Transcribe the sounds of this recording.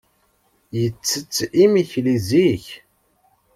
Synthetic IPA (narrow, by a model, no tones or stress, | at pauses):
jət͡sːət͡sːimiçliziç